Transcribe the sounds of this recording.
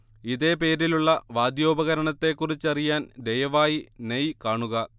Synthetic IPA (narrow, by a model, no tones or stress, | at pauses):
iðe̞ːpe̞ːɾiluɭːɐʋaːd̪jo̞ːbɐɣɐɾɐɳɐt̪ːe̞kːurit͡ɕːɐrijaːnd̪ejɐʋaːjinejkaːɳuɣɐ